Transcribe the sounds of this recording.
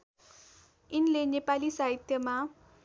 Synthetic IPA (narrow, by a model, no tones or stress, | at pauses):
inlenepalisaɦit̪jʌma